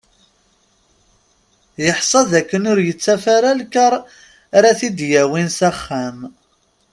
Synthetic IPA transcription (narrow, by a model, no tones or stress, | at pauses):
jəħsˤɑðækːənʊɾjət͡sːæfaɾalkəɾˤ | ɾaθid̪jæwinsæχːæm